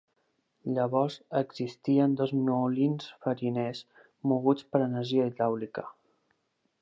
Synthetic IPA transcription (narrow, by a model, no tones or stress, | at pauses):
ʎəβɔɾzəɡz̥ist̪iənd̪ɔzmuulinsfəɾines | muɣut͡spəɾənəɾʒiəiawlikə